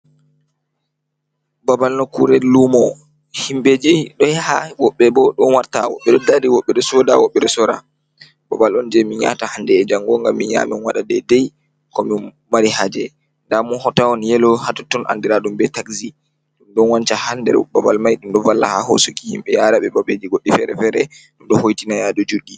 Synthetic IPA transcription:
babalnɔkuɾɛlumɔ | himbed͡ʒɛɗɔjhawɔɓːɛbɔɗɔnwaɾta̰wɔ̰ɓːɛɗɔdadiwɔɓːɛɗɔsɔda̰wɔɓːɛɗɔsɔɾa̰ | babalɔnd͡ʒɛmiɲa̰tahandɛːd͡ʒaŋɡɔŋɡamːiɲa̰mɛnwaɗadɛdɛj | kɔmi | maɾihad͡ʒɛ̰ | ndamunhɔtawɔnjɛlɔhatɔtːɔnʔa̰ndiɾaɗumbɛtaksi | ɗumɗɔnwant͡ʃahandɛ̰ɾbabalmajɗumɗɔvalːa̰ha̰ho̰sukihimɓɛjaɾaɓɛbabed͡ʒiɡoɗːifɛɾɛ̰fɛɾɛ | ɗumɗɔhojtinajadɔd͡ʒuɗːi

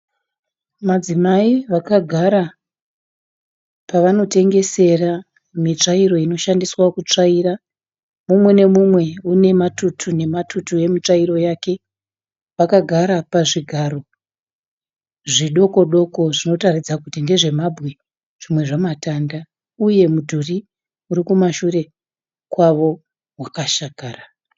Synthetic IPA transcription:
mad͡zimaiʋakaɡʱaɾa | paʋano̞te̞ŋɡe̞se̞ra | mit͡ʂaiɾo̞ino̞ʃandiswakut͡ʂaiːra | mumwe̞ne̞mumwe̞une̞matutʰune̞matutuje̞mit͡ʂaiɾo̞jaːke̞ | pakaɡʱaɾapaʐiɡʱaɾo̞ | ʐiɗo̞ko̞ɗo̞ko̞ʐino̞tarid͡zakutinde̞ʐe̞mabʱwi | ʐ̥imwe̞ʐamatanda | uje̞mudʱuri | uɾikumaʃure̞ | kwaʋo̞ | wakaʃakaːra

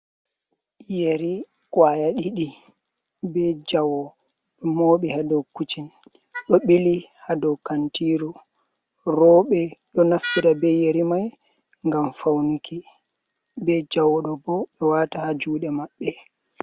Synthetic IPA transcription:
jeɾi | kʼwajaɗiɗi | bɛd͡ʒawɔ | ɗɔmoɓihadɔkːut͡ʃin | ɗɔɓilihadɔwkantiːɾɔ | ɾɔːɓɛɗɔnaftiɾabɛjeɾimaj | ŋɡamfawnikʰi | bɛd͡ʒawɔɗɔbɔɓɛwatahad͡ʒuːɗɛmaɓːɛ

